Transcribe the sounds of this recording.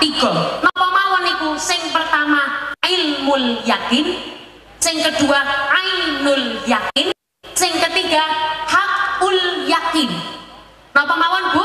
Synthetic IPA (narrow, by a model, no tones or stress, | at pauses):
t̪iɡ̥ɔnɔpɔmawɔnikusɪŋpərt̪amaaɪlmʊljakɪn | sɪŋkəɖ̥uaaɪlmʊljakɪn | sɪŋkət̪iɡahak̚uljakɪn | nɔpɔmawɔnbu